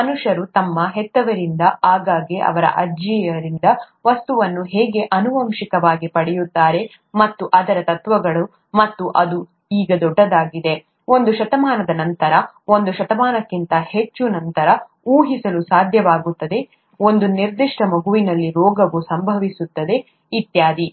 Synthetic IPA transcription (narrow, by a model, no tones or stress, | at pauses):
mɐnuʂɐɾut̪ɐmːɐɦɛt̪ːɐʋɐɾind̪ɐaːɡaːɡeʔɐ̰ʋɐɾɐ̰ʔɐd͡ʒɐjɐɾind̪ɐ | ʋɐst̪uʋɐnːuɦeːɡe̞ʔɐnuʋɐmʃikɐʋaːɡipɐɽɛjut̪ːaːɾe̞ | mɐt̪ːuʔɐd̪ɐɾɐt̪ɐt̪ʋɐɡɐɭu | mɐt̪ːuʔɐd̪u | iːɡɐd̪ɔɖːɐd̪aːɡid̪e̞ | o̞nd̪uʃɐt̪ɐmaːnɐd̪ɐnɐnt̪ɐɾɐ | o̞nd̪uʃɐt̪ɐmaːnɐkːint̪ɐhe̞t͡ʃːunɐnt̪ɐɾɐ | uːɦisɐlusaːd̪ʱjɐʋaːɡut̪ːɐd̪e̞ | o̞nd̪uniɾd̪iʂʈɐmɐɡuʋinɐlːiɾɔːɡɐʋusɐmbʱɐʋisut̪ːɐd̪e̞ | it̪jaːd̪i